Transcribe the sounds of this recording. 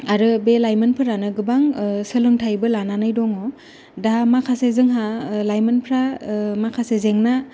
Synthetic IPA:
aɾɯbelajmɯnpʰɯɾanɯɡɯbaŋsɯlɯŋtʰajbɯlananɯjdɔŋɔ | damakʰasezɯŋɦalajmɯnpʰɾamakʰasezeŋna

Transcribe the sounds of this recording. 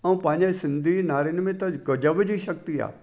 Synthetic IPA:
ɐũpãːɲesɪ̃nd̪ʱinaːɾɪnmẽt̪ɐɡɐd͡ʒəʋd͡ʑiʃɐk̚t̪ia̰ː

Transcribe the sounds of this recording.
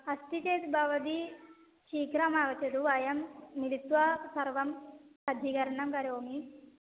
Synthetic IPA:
ɐst̪it͡ʃeːt̪bʱɐʋɐd̪i | t͡ʃiːkɾamaːʋɐt͡ʃɐd̪uʋɐjɐmːiɽit̪ʋɐsɐɾʋɐmsɐd̪ʱikɐɾɐɳɐmkɐɾoːmi

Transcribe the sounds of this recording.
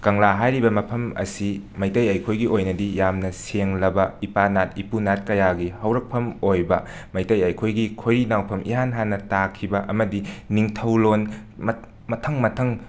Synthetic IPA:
kɐŋlaɦajɾibɐmɐpʰɐmɐ̰simɐjtɐjɐjkʰojɡiʔojnɐdijamnɐseŋlɐbɐipanat̚ipunat̚kɐjaɡihɐwɾɐk̚pʰɐmojbɐ | mɐjtɐjɐjkʰojɡikʰojɾinawpʰɐmʔḭɦanɦanːɐtakʰibɐʔɐmɐdiniŋtʰɐwlonm | mɐtʰɐŋmɐtʰɐŋ

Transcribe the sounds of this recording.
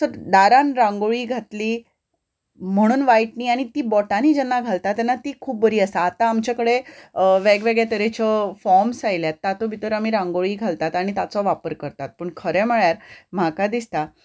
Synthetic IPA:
səɾd̪aɾanɾãŋɡoɭiːɡʱat̪liː | m̤əɽ̃uːnʋajʈniːaɽ̃it̪iːbɔʈaniːd͡ʑɛnːaɡʱalt̪at̪ːɛnːat̪iːkʰuːp̚bəɾiːəsaːt̪aːmt͡ɕakəɽeʋeɡʋeɡɭjet̪əɾet͡ɕɔfɔɾmsajljat̪ːat̪obʱit̪əɾam̤iːɾãŋɡoɭiːɡʱalt̪at̪aɽ̃it̪at͡sɔʋapəɾkəɾt̪at̪̚pəɳkʰəɾɛməɭjaɾm̤akad̪ist̪a

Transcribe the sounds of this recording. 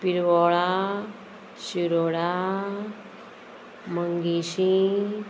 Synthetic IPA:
piɾʋɔɭa | ɕiɾoɽa | məŋɡiɕĩ

